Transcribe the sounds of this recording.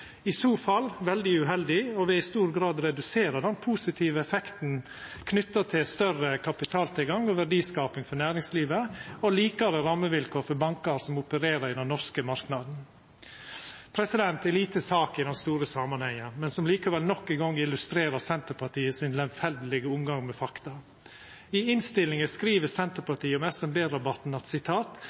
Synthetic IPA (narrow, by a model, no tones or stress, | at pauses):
ɪsoːfɑlːʋɛld̪ɪʉɦɛld̪ɪɔʋɪɪst̪uːɾɡɾɑːd̪ɾɛd̪ʉseːɾəd̪ɛnpʰuːsɪt̪ʰiːʋəɛfɛkt̪n̩ | kʰnʏt̪ːət̪ʰɪlst̪œrəkʰɑpɪt̪ʰɑːlt̪ʰɪlɡɑŋɔʋæɖiːskɑːpɪŋfɔɳæːɾɪŋsliːʋəɔliːkɑɾəɾɑmːəʋɪlkʰoːɾfɔɾbɑŋkɑɾsɔmʊpəɾeːɾəɾɪd̪ɛnːɔɾskəmɑɾknɑd̪n̩ | pʰɾɛsɪd̪ɛnt̪ɛliːt̪əsɑːkɪd̪ɛnst̪uːɾəsɑmɑnhɛŋːənmɛnsɔmliːkɑʋɛlnɔkːɪɡɔŋːɪlʉst̪ɾeːɾəsɛnt̪əɾpʰɑʈiːəsɪnlɛmfɛld̪lɪɡəʊmɡɑŋmɛfɑkt̪ɑ | ɪɪnst̪ɪlɪŋəskɾiːʋəsɛnt̪əɾpɑt̪iːəɔmɛsɛmbeːɾɑbɑt̪n̩ɑt̪sɪt̪ʰɑːt̪